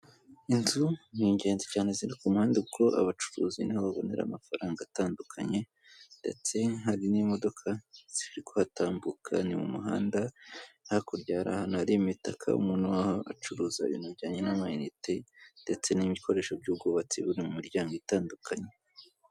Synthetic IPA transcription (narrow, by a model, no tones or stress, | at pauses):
inzuniɲɟe̞ːnzecaːne̞ziɾikumuhaːndeuɡo̞ʔa̰βat͡ʃu̥ɾuːzinihaβaβo̞̰ne̞̰ɾa̰ːmafaɾaːŋɡaːtaːndukʰaɲe̞ | nde̞̰t͡se̞ɦaɾinimo̞do̞kʰaz̥ihiɾiko̞hataːmbukʰa̰nimṵmuɦa̰ːndahakuɾɟaːɾa̰hanuhaɾijumitakʰa̰ṵmuːnuwahoʔat͡ʃuɾuːza̰βḭːnuɾɟaːɲe̞namainitende̞t͡se̞nimikʰo̞ɾe̞ːʃo̞b̚ɟuuɡoβat͡siβuɾemumiɾɟaːŋɡoitaːndukʰaɲe